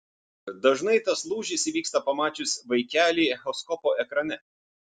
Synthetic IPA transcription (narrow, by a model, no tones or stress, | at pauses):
d̪ɐʒnɐɪt̪ɐslˠuːʒʲɪsʲʋʲiːkst̪ɐpɐmɑːt͡ʃʲʊsʲʋɐɪkʲæːlʲiːxɔskɔpoːʔɛkɾɐnʲɛ